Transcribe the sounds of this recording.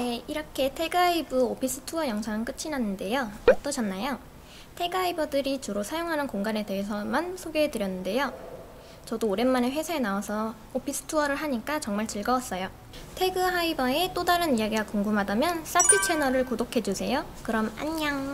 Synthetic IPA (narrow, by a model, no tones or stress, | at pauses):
neiɾʌkʰe̞tʰe̞ɡaibɯopʰis͈ʰɯ̥tʰuʌjʌŋsʰaŋɯk͈ɯt͡ɕʰinanːɯnde̞joʌt͈ʌɕʰʌnːajo | tʰe̞ɡaibʌdɯɾit͡ɕuɾosʰajoŋɦanɯnkoŋɡane̞te̞ɦes̬ʰʌmansʰoɡeedɯɾjʌnːɯnde̞jo | t͡ɕʌdoːɾe̞nmaneɸwe̞sʰaenaasʰʌ | opʰis͈ʰɯ̥tʰuʌɾɯɭɦaɲik͈at͡ɕʌŋmaɭt͡ɕɯɭɡʌwas͈ʌjo | tʰe̞ɡɯɦaibʌe̞t͈odaɾɯniaɡiɡakoŋɡumɦadamjʌns͈atʰɯt͡ɕʰe̞nʌɾɯɭkodokʰe̞d͡ʑusʰe̞jokɯɾʌma̰ɲːaŋ